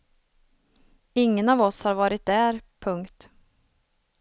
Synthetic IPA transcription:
ɪŋːənɑvɔshaɾvɑːɾɪt̪̚d̪æːɾpʰɵŋkt̪

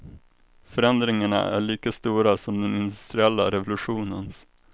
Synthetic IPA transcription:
fœɾɛnd̪ɾɪŋaɳa̰ʔæ̰ɭiːkast̪uːɾasɔmd̪ɛnɪnd̪ɵst̪ɾɪɛlːa̰ɾɛvʊlɵɧuːnəns

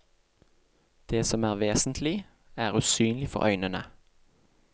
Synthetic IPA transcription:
d̪̥eːsɔmæːʁʋeːsn̩t̪ʰlɪ | æːʁʉːsyːnlɪfɔ̰ʁʔœʏnənə

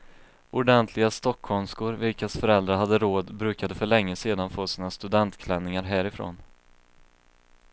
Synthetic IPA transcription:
ʊɖɛnt̪ʰlɪɡast̪ɔkʰːhɔmskʊɾvɪlkasfœɾɛld̪ɾaɾɦad̪ːəɾoːd̪bɾʉ̟ːkad̪əfœɭɛŋːəseːd̪anfoːsiːnast̪ɵd̪ɛnt̪kʰlɛnːɪŋaɾɦæːɾɪfɾo̰ːn

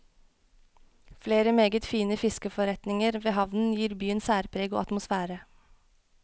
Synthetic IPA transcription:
fleːɾəmeːɡət̪fiːnəfɪskəfɔɾɛt̪nɪŋəɾʋeːhɑʋnn̩jiːɾbyːənsæːɾpʰɾeːɡo̰ːɑt̪mʊsfæːɾə

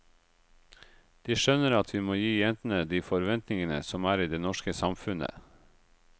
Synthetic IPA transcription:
d̪̥iːʃœnəɾɑt̪ʰʋiːmoːjiːjɛnt̪n̩əd̪iːfɔɾʋɛnt̪nɪŋənə̰sɔmæːɾiːd̪eːnɔʃkəsɑmfʉnə̰

